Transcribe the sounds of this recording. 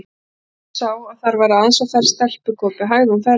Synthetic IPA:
saːwaðθaɾvaɾɪansɔfɛɾ̥st̪ɛl̥pʏkʰɔːpɪɦaːjðɪumfɛ

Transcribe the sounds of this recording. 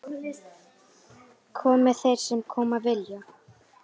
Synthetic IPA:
kʰɔːmɪθejɾ̥sɛmkʰɔːmavɪljʏ

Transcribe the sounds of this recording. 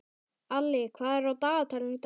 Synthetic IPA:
alːɪkʰvaːðɛɾawt̪aːt̪ʰalnt̪

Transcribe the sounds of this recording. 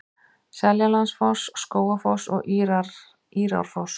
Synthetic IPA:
sɛljalansfɔsskoːwafɔsɔ̰ɣ | iːɾa̰wɾ̥fɔws

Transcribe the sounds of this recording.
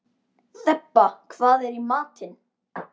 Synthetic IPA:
θɛpːakʰvaːðɛɾimaːt̪ɪn

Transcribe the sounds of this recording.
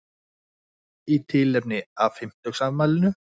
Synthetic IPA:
it̪ʰɪlɛp̚nɪavfɪm̥t̪œxsavmaːlɪnʏ

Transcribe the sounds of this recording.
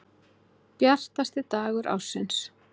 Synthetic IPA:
pjar̥t̪ast̪ɪt̪aːɣʏɾʔa̰wsːɪns

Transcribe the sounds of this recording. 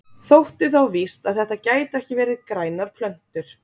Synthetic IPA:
θowht̪ɪθawvist̪aðθɛht̪ːacaːjt̪ɛhcɪvɛːɾɪðkɾaːjnaɾ̥pʰlœn̥t̪ʏɾ̥

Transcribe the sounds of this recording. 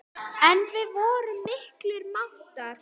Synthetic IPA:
ɛnvɪvɔːɾʏmːɪhklɪɾmaw̥t̪aɾ̥

